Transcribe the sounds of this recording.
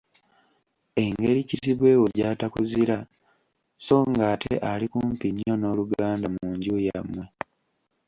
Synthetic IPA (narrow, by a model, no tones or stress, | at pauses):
e̞ŋɡe̞ɾiciziβwe̞ːwo̞ɟaːtakuziɾa | so̞ːŋɡaːtʰḛʔalikumpiɲːo̞no̞ːluɡaːndamuːɲɟujamwe̞